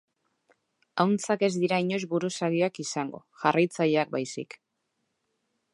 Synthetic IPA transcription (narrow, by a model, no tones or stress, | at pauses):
awnt͡sake̞zd̪iɾaiɲo̞zbuɾusaɣioakisaŋɡo̞̰ʝarajt͡sajeak̚bajsḭk